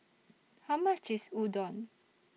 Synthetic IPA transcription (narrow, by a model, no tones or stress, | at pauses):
hamat͡ʃisud̪ɔn